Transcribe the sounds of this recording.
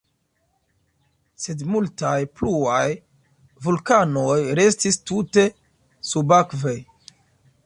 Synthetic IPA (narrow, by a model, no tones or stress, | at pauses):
se̞dmultajpluaj | vulkanojɾe̞stistute̞ | subakvej